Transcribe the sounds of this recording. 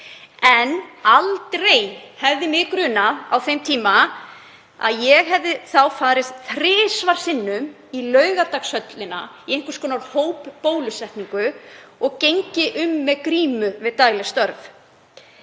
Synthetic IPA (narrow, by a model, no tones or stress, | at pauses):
ɛnalt̪ɾejhɛvðɪmɪkɾʏːnaawθejmt̪ʰiːma | a̰ðjɛɣɦɛvðɪθawfaːðɾɪsθɾɪːsvaɾ̥sɪnːʏm | ilœːɥɣat̪aksœt̪lɪna̰iejŋ̥kʏɾ̥skʰɔːnaɾhoːwpːoːwlʏsɛht̪niŋkʏɔɣcejɲcɪʔʏmːɛðkɾiːmʏvɪðt̪aːjlɪst̪œɾv